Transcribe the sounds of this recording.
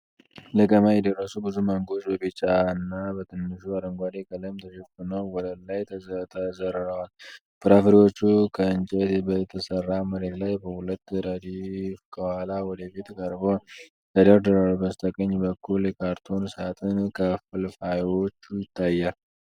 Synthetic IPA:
ləkʼəmajɛd̪ərːəsubɨzuməŋɡo̞d͡ʒbəbit͡ʃʼːaɨnːabət̪ʰɨnːɨʃuad̪əŋɡʷad̪ekʼələmt̪ʰəʃɛfɨnəwwɔdəlajt̪ʰət̪ʰəzəɾɨɾəwal | bʰɨɾafəɾiwo̞t͡ʃːukʰəɨnt͡ʃʼed̪bət̪ʰəsərːaməɾed̪lajbəhulət̪ːɾəd̪ifkʰəhalawɔd̪əfit̪kʼəɾbo | t̪ʰəd̪əɾd̪əɾalbəst̪ʰʼəkʼəɲːbəkʰːuljɛkʰaɾt̪ʰo̞nsɨat̪ʰɨnkʰəfɨlfajwo̞t͡ʃːujɪt̪ʰːajːal

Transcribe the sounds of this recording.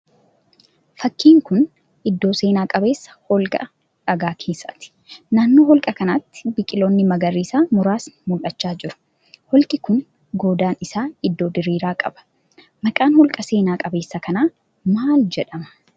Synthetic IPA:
fɐkːiːŋkʊn | ʔɪd̪ːo̞ːse̞ːnaːkʼɐbe̞ːsːɐ̥hɔlkʼɐ̰ | ɐɡaːkʰeːsɐ̰t̪ɪ̥ | naːnːoːhɔlkʼɐkɐnɐt̪ːɪ̥bɪkʼɪloːnːɪmɐɡɐrːiːsaːmʊɾaːsmʊlʔɐt͡ʃːaːd͡ʒɪɾʊ̥ | hɔlkʼɪkʊn | ɡoːd̪aːnɪsaːɪd̪ːo̞ːd̪ɪɾiːɾaːkʼɐ̰bɐ̥ | mɐkʼaːnhɔlkʼɐse̞ːnaːkʼɐbe̞ːsːɐkɐnaː | maːld͡ʒɛᶑɐmɐ̥

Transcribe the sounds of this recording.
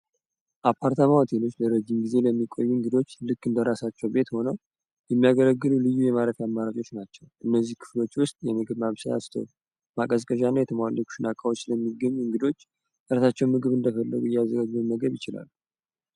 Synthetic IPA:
ʔapʰːaɾt̪ʰamawat̪ʰe̞lo̞t͡ʃːləɾəd͡ʒimɡize̞ləmːikʼo̞̰jːuɨŋɡɨd̪o̞t͡ʃːlɨkːɨnd̪əɾasat͡ʃːɛwbe̞t̪ho̞nəw | jɛmːijaɡələɡːɨlulɨjːujɛmaɾəfiamːaɾad͡ʒʼo̞t͡ʃːnat͡ʃːɛwʔɨnːəzːihkʰɨ̥flo̞t͡ʃːwʊst̪ʼjɛmɨɡɨβmaβsəa̰st̪ʰə̰w | makʼəzkʼəʒanːajɛt̪ʰəmwalːəku̥ʃɪnakʼawo̞t͡ʃːləmːiɡːəɲːuɨŋɡɨd̪o̞t͡ʃː | ɾasat͡ʃːɛwnmɨɡɨβɨnd̪əfəlːə̰ɡujɛazːəɡad͡ʒzəməɡəβjɪt͡ʃɪla̰lːu

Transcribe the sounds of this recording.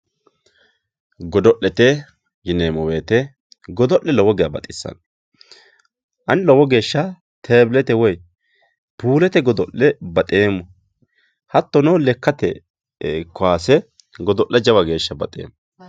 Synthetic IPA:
ɡɔd̪ɔʔːɛt̪ɛ | jɪneːmɔweːt̪ɛ | ɡɔd̪ɔʔːɛlɔwɔɡɪjabɐ̰t̪ʼɪsːɐ̰n | ʔɐnɪlɔwɔɡe̞ːʃːɐ | t̪ʰeːblɛt̪ɛwɔj | puːlɛt̪ɛɡɔd̪ɔʔɛbɐt̪ʼeːmːɔ | hɐt̪ːɔnɔlɛkːɐt̪ɛ̰ | kːɔwaːsɛ | ɡɔd̪ɔʔːɛd͡ʒɐwɐɡe̞ːʃːɐbɐ̰t̪ʼḛːmːɔ

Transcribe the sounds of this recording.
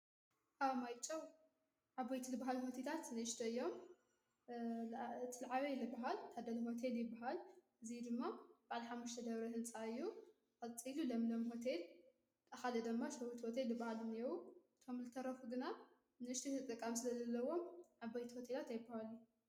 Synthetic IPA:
ʔaβmajt͡ʃʼɐw | ʕabajt̪ʰizɨbaɦalho̞t̪ʰelʰat̪nɨɨʃt̪ʰɐɨjːo̞m | t̪ʰɨlʕaβejlɨbaɦalt̪ʰad̪ɐlɐɦo̞t̪ʰe̞ljɪbːaɦalʔɨzid̪ɨmːab̥aʕliħamːuʃt̪ʰɐd̪ɐβɾɐhɨnt͡sʼaɨjːu | kʼɐt͡sʼilulɐmlomɦo̞t̪ʰe̞l | t̪ʼɐxalɐd̪ɨmːaʃɐwut̪ʰhot̪ʰelːɨbahalɨniwuɨt̪ʰomzɨt̪ʰɐɾɐfuɡɨna | nɨʔɨʃt̪ʰit̪ɨt̪ʼɨkʼːamsɨlɐzɐlːɐwo̞mʕabajt̪ʰi̥hot̪ʰelat̪ajɪbahaluju

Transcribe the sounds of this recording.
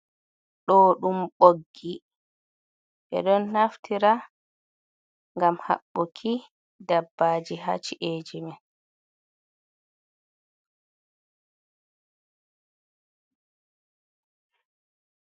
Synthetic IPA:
ɗɔɗumɓoɡːi | ɓɛ̰ɗɔnːaftʰiɾa | ŋɡamha̰ɓːɔkʰi | dabːaːd͡ʒiɦa̰t͡ʃiʔeːd͡ʒimɛ

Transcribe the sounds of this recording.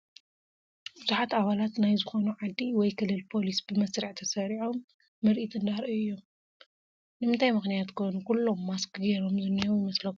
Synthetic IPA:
buzuħat̪aβalat̪najzɨxo̞nuʕad̪ːiwɔjkʰɨlːɨlpʰo̞lisb̥ɨmɐsɾiʕt̪ʰɐsɐɾiʕo̞mː | ɨɾʔit̪ʰɨnd̪aɾʔɨjːom | nɨmɨnt̪ʰajmɨxnijat̪kʰonukulːo̞mːaskɨɡeɾo̞mzɨnːijowjɪmɐslɐk

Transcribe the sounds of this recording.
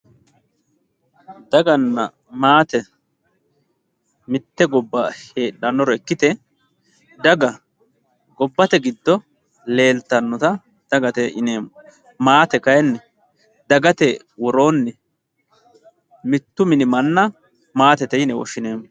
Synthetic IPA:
d̪ɐɡɐnːɐ̰ | maːt̪ɛ | mɪt̪ːɛɡɔbːɐhe̞ːᶑɐnːɔɾɔɛkːɪt̪ɛ | d̪ɐɡɐ | ɡɔbːɐt̪ɛɡɪd̪ːɔ | le̞ːlt̪ːɐnːɔt̪ɐ | d̪̥ɐɡɐt̪ɛʔɪneːmːʊ | maːt̪ɛkɐjɛnːɛ | d̪ɐɡɐt̪ɛ | wɔɾo̞ːnːɛ | mɪt̪ːʊmɪnɪmɐnːɐ | maːt̪ɛt̪ɛjnɛwɔ̰ʃːɪne̞ːmːʊ

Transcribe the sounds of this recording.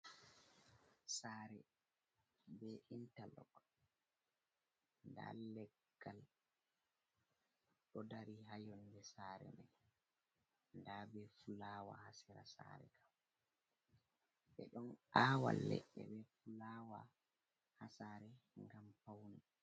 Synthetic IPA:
saːɾɛ | bɛintalɔ̰k | nda̰lɛɡːal | ɗɔdaɾiɦajɔndɛsaɾɛ̰nɛ | ndabɛfulaːwa̰hasɛɾasa̰ɾɛ̰kʰam | ɓɛɗɔnʔaːwa̰lːɛ̰ʔːɛ̰bɛfulawa | hasaɾɛŋɡampawni

